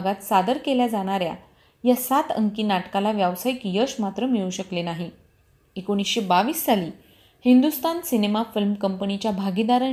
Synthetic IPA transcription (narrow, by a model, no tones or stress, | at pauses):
ɡat̪sad̪əɾkeljad͡zaɽ̃aɾja̰ | jasat̪ə̰ŋkiːnaʈkalaʋjaʋsajikjəsmat̪ɾəmiɭuɕəklenaɦi | ekoɽ̃isɕebaʋiːssaliː | hind̪ust̪ansinemafilmkəmpənit͡ɕjabʱaɡid̪aɾə